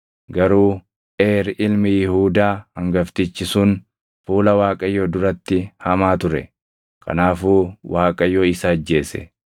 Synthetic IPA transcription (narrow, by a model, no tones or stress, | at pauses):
ɡɐɾuː | ʔeːɾʔɪlmɪjɪhuːd̪aːhɐŋɡɐft̪ɪt͡ʃːɪsʊn | fuːlɐwaːkʼɐjoːd̪ʊɾɐt̪ːɪhɐmaːt̪ʊɾɛ̰ | kʰɐ̰naːfuːwʔaːkʼɐjːoːɪsɐːd͡ʒːe̞ːsɛ̰